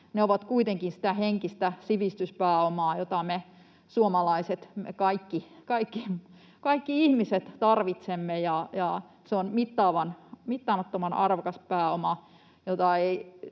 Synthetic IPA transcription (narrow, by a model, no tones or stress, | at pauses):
neoʋɑt̪kuit̪eŋkinsi̥t̪æheŋkist̪æsiʋist̪yspæːomɑːjot̪ɑme | suomɑlɑiset̪mekɑikːikɑikːi | kɑikːiihmiset̪t̪ɑrʋit̪semːejɑjɑ | seonmit̪ːɑːʋɑnmit̪ːɑːmɑt̪ːomɑnɑrʋokɑspæːomɑ | jot̪ɑei